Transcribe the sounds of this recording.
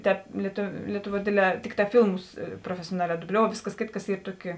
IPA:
ˈtʲɛːp lʲiɛtʊ lʲiɛtʊˌʋuɔ ˈdʲeːdʲˌlʲɛː ˈtʲɪkˌtɑː ˈfʲiːlˠmʊs proːfʲɛsʲoːˈnɑːlʲɛː dʊˈbʲlʲoːʊ ˈʋʲeːsˌkɐs ˈkʲeːtˌkɐs ˈiːr ˈtuɔˌkʲɪ

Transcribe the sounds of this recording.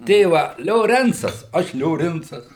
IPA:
ˈtʲeːʋɐ lʲoːˈrʲɛnt͡sɐs ˈɐʃ lʲoːˈrʲɪnt͡sɐs

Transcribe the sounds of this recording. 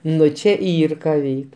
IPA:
ˈnʊ t͡ʃʲɛ ˈiːr kɐ ˈʋʲɛɪk

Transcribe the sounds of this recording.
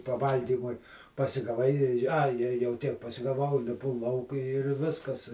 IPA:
pɐˈʋɐlʲɡʲiːmʊɪ pɐsʲɪɡɐˈʋɐɪ ɐɪ jɛʊ ˈtʲiɛk pɐsʲɪɡɐˈʋɐʊ lʲɪˈpʊ ˈlˠɐʊk ɪr ˈʋʲɪskɐs

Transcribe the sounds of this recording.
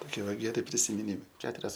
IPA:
toːˈkʲiɛ ˈʋɐ ɡʲɛˈrʲɪ pʲrʲɪsʲɪmʲɪˈnʲiːmɐɪ ˈkʲæːtʊrʲɛs

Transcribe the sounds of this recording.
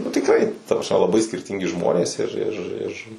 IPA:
nʊ tʲɪkˈrɐɪ ˈtɐ prɐsʲˈmʲɛ lˠɐˈbɐɪ sʲkʲɪrʲˈtʲɪŋʲɡʲɪ ˈʒmoːnʲeːs ɪr ˈɪr ɪr

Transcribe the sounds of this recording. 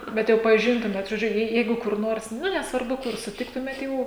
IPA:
bʲɛt ˈjɛʊ pɐˈʒʲɪntʊmʲeːt ʒoːˈd͡ʒʲʊ ˈjɛɪ ˈjɛɪɡʊ kʊr ˈnoːrs ˈnʊ nʲɛsʋɐrˈbʊ kʊr sʊˈtʲɪktʊmʲeːt ˈjɛʊ

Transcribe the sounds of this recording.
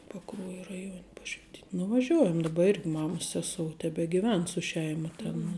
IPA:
pɐˈkruɔjɛ rɐˈjuɔnʲ ˈpɑːʃʲʋʲɪtʲɪnʲ nʊʋɐˈʒʲuɔjɛm dɐˈbɐ ˈɪrʲɡʲɪ ˈmɑːmɐs ˈsʲæːsoːʊ tʲɛbʲɛɡʲɪˈʋʲɛn sʊ ˈʃʲɛɪmɐ ˈtʲeːn nʊ

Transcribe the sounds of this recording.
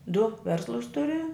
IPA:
dʊ ˈʋʲɛrslˠʊs ˈtʊrʲɪ

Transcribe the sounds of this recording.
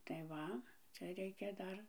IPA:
tɐɪ ˈʋɐ ˈt͡sʲɛ ˈrʲɛɪkʲɛ ˈdɐr

